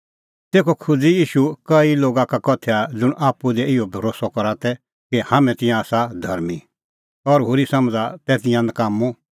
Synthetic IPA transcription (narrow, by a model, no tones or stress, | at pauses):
t̪eːkʰokʰʊd͡zijiːʃukɐiloːɡakakɔt̪ʰɛad͡zʊɽ̃aːpud̪ɛɪɔbʱɐɾoːsɔkɔɾat̪ɛ | kihãːmɛ̃t̪ɪ̃jãːsad̪ʱɐ̰ɾmi | ɔɾɦʊɾisɐ̃md͡zat̪ɛt̪ɪ̃jãnəkaːmu